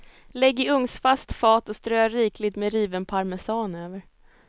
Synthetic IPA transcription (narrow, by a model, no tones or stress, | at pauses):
lɛɡːɪɵŋsfast̪fɑːt̪ɔst̪ɾøːaɾiːkʰlɪt̪mɛɾiːvənpʰaɾmɛsɑːnøːvəɾ